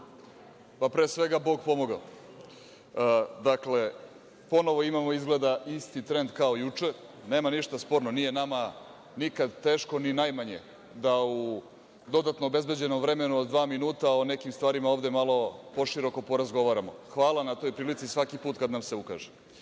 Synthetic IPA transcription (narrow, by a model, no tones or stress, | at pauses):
papɾeːsʋe̞ɡabo̞ɡ̚po̞mo̞ɡa | d̪akle̞ | po̞no̞ʋo̞imamo̞izɡle̞d̪aʔist̪it̪ɾe̞nd̪kaojut͡ʂe | ne̞ːmaniʃt̪aspo̞ɾnonijenama | nikad̪t̪eːʃko̞ninajmaɲe̞̰ | d̪au | d̪o̞d̪at̪no̞obe̞zbe̞d͡ʑe̞nomvɾe̞me̞nuod̪d̪ʋaːminuːt̪aone̞kimst̪ʋaːɾimaovd̪e̞malo̞po̞ʃiɾo̞ko̞po̞ɾazɡo̞ʋaːɾamo̞̰xʋaːlˠanat̪o̞jpɾiːlit̪sisʋakipuːt̪kad̪namse̞uka̰ʒe